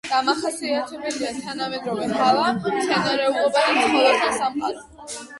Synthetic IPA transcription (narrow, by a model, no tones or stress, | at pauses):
ɡ̪̥amaχasiat̪ʰɛbɛliat̪ʰanamɛd̪ɾɔvɛkʰalˠamʃɛnaɾɛulˠɔbad̪amχʰʼɔlɔt̪ʰasamqʼaɾ